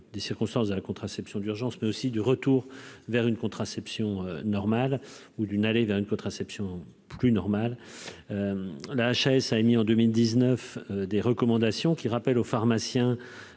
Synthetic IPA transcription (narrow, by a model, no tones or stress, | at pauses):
d̪esiʁkɔ̃st̪ɑ̃sd̪əlakɔ̃t̪χasɛpsjɔ̃d̪yʁʒɑ̃smɛosid̪yʁət̪uːʁvɛʁynkɔ̃t̪χasɛpsjɔ̃ønɔʁmalud̪ynalevɛʁynkɔ̃t̪χasɛpsjɔ̃ | plynɔʁmalølaːʃɛsaemiɑ̃d̪ømild̪iznəfød̪eʁəkɔmɑ̃d̪asjɔ̃kʲiʁapɛlofaʁmasjɛ̃